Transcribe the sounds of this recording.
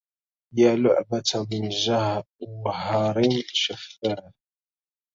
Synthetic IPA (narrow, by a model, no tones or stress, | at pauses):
jaːlʊ̰ʕbat̪mɪnʒahɦɑɾˤɪnʃafːaː